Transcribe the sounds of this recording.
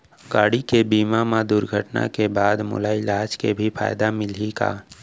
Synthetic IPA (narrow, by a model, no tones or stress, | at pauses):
ɡaːɽikebiːmamad̪ʊɾɡʱəʈna̰kebaːd̪mʊ̰laɪlaːd͡ʒkebʱipʰa̰ːɪd̪amɪlika̰ː